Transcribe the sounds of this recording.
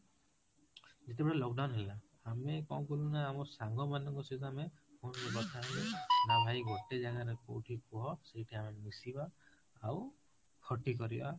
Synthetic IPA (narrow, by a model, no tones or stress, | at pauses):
d͡ʒet̪ebɔɽelɔk̚ɖawnɦela | amekɔw̃kulunaːmɔɾsaŋɡɔmanɔŋkɔsitamemunɾɔbɔt̪ʰaɦlenabʱajɡɔʈed͡ʒaɡaɾeko̰ʈʰikɔɦɔsejʈʰiamemisibaː | w | kʰɔʈikɔɾiba̰